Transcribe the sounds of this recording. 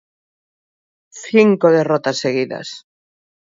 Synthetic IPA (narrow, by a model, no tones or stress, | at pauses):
θiŋkoðerot̪asːeɣ̞iða̰s